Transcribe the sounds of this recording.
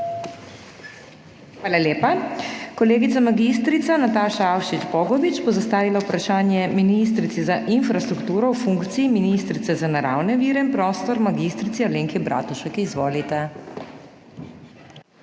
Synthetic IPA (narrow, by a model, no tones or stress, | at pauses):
xʋaːlaljeːpakɔleːɡit̪samaɡist̪ɾit̪sanat̪aːʃaawʃit͡ʃbɔːɡɔʋit͡ʃbɔzast̪aːʋilaupɾaʃaːnjɛminist̪ɾit̪sizaʔinfɾast̪ɾukt̪uːɾɔwfuŋkt̪siːminist̪ɾit̪sɛzanaɾa̰ːwnɛʋiːɾɛinpɾɔːst̪ɔɾmaɡist̪ɾit̪ialeːŋkibɾʔa̰ːt̪uʃɛkizʋoːlit̪ɛ